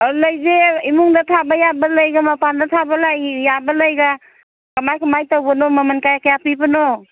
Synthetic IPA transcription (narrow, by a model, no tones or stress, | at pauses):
ləjzeimuŋdat̪ʰabajabaləjɡamapandatʰabalajjabaləjɡa | kamajkʰɔmajtawbɔnɔmamənkajakejapibɯno